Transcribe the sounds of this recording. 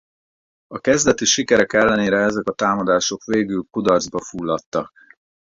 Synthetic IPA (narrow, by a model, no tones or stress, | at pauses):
ɒkɛzd̪ɛt̪iʃikɛɾɛkɛlːɛneːɾɛɛzɛkɒt̪aːmɒd̪aːʃo̞kʋeːɡylkud̪ɒrzbɒfuːlːɒt̪ːɒk̚